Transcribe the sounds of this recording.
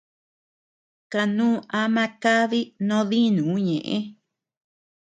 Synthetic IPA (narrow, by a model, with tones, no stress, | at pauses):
ka˧nũː˦a˧mã˦ka˦ði˦nõ˦ði˦nũ˨˦ɲẽ˨ʔẽ˦